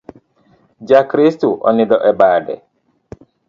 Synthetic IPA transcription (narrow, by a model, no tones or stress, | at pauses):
d͡ʒakɾistuʔɔ̰nidɔʔɛbaːdɛ̰